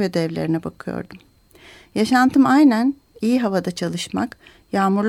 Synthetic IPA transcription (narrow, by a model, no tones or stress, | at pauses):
vɛd̪ɛvlʲeɾinɛbakʰɯjo̰ɾd̪um | jaʃant̪ʰɯmajnæn | ijiɦavad̪at͡ʃʰalˠɯʃma̰k | jaːmuɾlˠ